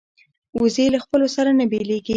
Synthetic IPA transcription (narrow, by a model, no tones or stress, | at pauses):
uzelaxpəlosaɾanabeleɡi